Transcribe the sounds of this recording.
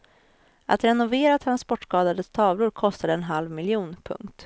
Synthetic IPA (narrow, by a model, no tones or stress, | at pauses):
ʔa̰t̪ɾɛnʊveːɾat̪ʰɾanspɔʈːskɑːd̪ad̪ət̪ʰɑːvlʊɾkʰɔst̪ad̪əɛnɦalvmɪljuːnpʰɵ̰ŋkt̪